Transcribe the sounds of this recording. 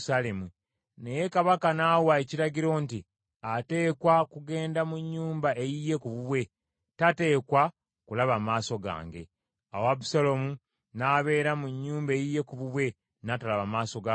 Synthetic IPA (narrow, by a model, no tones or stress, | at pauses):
salemu | ne̞je̞kaβakanawaeciɾaɟiɾo̞nti | ate̞ːkwakuɡe̞ːndamuɲːuːmbaʔejije̞kuβuβwe̞ | tate̞ːkwa | kulaβamaːso̞ɡa̰ːŋɡe̞̰ | a̰wabusalo̞mu | naːβe̞ːɾamuɲːuːmbe̞jije̞kuβuβwe̞ | natalaβamaːso̞ɡa